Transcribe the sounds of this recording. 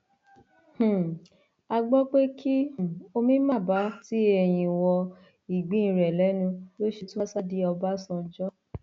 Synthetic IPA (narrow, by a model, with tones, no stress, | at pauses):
h̩˨ | a˧ɡ͡bɔ˦k͡pe˦kʰi˦˨o˧mĩ˦mã˦˨ba˨˦ti˦ɛ˧˨j̃ĩ˧wɔ˧ | i˨ɡ͡bĩ˨˦ĩ˨˧ɾɛ˨lɛ˨˦nũ˧lo˦ʃi˧tũ˦sa˦di˦ɔ˧ba˦sɔ̃˧d͡ʒɔ˦